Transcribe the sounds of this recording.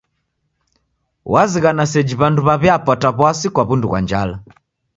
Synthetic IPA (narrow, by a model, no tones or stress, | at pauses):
waziɣanasɛd͡ʒiβanduβaβɛapataβwasikwaβunduɣwa̰ɲd͡ʒala